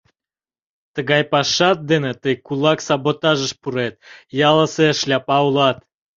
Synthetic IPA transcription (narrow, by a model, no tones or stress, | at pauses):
t̪əɣɑjpɑʃɑt̪̚d̪enet̪əjkulɑksɑbot̪ɑʒəʃpuɾet̪̚jɑləseʃlʲɑpɑulɑt̪